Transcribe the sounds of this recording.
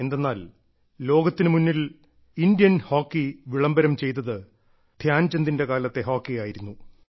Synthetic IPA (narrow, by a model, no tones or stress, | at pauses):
e̞nd̪e̞nːaːl | lo̞ːɡɐt̪ːinɨmunːil | ind̪jɐnho̞ːkːiʋiɭɐmbɐɾɐmt͡ɕe̞jt̪̬ːɐðɨ | d̪̥ʱjaːnt͡ɕend̪inde̞kaːlɐt̪ːe̞ɦo̞ːkːijaːjiɾunːu